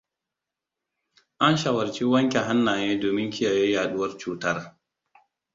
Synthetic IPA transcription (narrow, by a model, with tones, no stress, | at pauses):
ʔa˦nʃa˨wɐ˨rt͡ʃi˦wɐ˦ŋkʲe˨ɦa˦nːaː˨neː˦doː˨mɪ˦ŋkʲɪ˦jaː˨ja˦jaː˨ɗʊ˦wɐ˦rt͡ʃuː˦tɐ˦r